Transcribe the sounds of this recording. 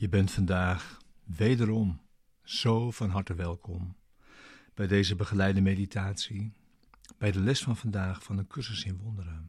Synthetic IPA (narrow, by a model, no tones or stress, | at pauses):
jəbɛntfɑndaːχʋejdəɾɔm | z̥owvɑnɦɑɹtəʋɛlˠkʰɔm | b̥ɛjdejzəbəχəlɛjdəmejditʰaːtsi | b̥ɛjdəlɛstfɑnvɑndaːχfɑnəkɵrsəsɪnʋɔndəɾə